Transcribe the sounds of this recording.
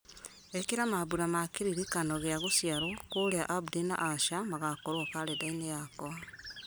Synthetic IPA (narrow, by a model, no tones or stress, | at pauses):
ekeɾamaβuɾamakiɾiɾikanoɣeaɣosjaɾokoleaʔabdina̰ʔaʃamaɣakoɾwokaledainejakoa